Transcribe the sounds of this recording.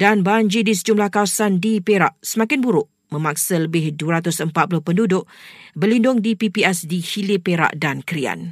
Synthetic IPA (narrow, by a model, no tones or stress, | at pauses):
danbaɲd͡ʒidis̬əd͡ʒumlahkawasandipeɾa̰ʔsəmãkɪnbuɾʊʔ | mə̃mãk̚sələbɪhduəɾat̪ʊsəmpat̪pulʊhpəndudʊʔbərlindʊŋdipipiɛsdihilɪpeɾa̰ʔdankəɾia̰n